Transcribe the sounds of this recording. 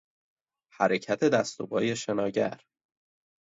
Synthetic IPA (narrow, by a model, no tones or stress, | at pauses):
hæɾecʰæt̪ʰe̞d̪æst̪o̰bɒːje̞ʃe̞nɒːɟæ̰ɾ